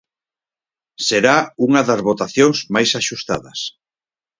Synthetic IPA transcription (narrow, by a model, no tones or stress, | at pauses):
seɾauŋɐðɐzβot̪aθjoŋzmajsaʃust̪a̰ðɐ̰s